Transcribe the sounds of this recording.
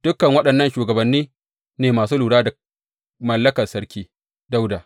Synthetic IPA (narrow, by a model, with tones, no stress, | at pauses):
d̥ʊ˦kːɐ˨ŋwɐ˦ɗɐ˨nːɐ˦nʃuː˨ɡɐ˨bɐ˨nːiː˦ | neː˨maː˨s̬uː˦luː˨ɽaː˦dɐ˨ | mɐ˨lːɐ˦kɐ˨rsɐ˦ɽkʲiː˦ | da˦wdaː˨